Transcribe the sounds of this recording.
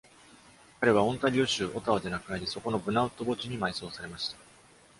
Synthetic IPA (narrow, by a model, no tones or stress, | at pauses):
kaɾe̞β̞aõ̞nt̪aɾʲioɕɨːʔo̞t̪aod̪e̞nakɯ̟naɾʲiso̞ko̞no̞bɯ̟naɯ̟t̪ːo̞bo̞t͡ɕiɲ̟imaiso̞ːsaɾe̞maɕi̥t̪ḁ